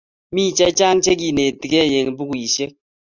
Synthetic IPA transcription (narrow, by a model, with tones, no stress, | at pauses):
miː˦˨t͡ʃe˦t͡ʃa˦n̩˦t͡ʃe˦k̬i˨ne˨ti˨ɡe˦e˨je˨ŋ˨bu˦ku˨i˨ʃe˦k̚